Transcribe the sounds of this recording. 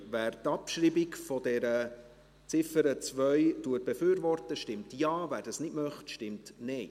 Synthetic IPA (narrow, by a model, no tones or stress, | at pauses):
væːɾtɑpʃɾiːbikfɔdɛɾə | t͡sɪfəɾət͡svœʏtuət̚b̥efyːɾvɔrtəʃtɪmtjɑːvæːɾdɑsnɪdmœχtʃtɪmtnɛɪ